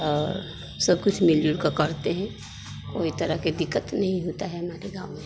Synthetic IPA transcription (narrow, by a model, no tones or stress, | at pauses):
ɔːɾ | səb̚kʊt͡ʃʰmɪljuɾkakəɾt̪eɦɛ̃ | koːit̪əɾəɦked̪ɪkːət̪nɐɦĩɦoːt̪aɦɛɦɐmaːɾeɡaːʊme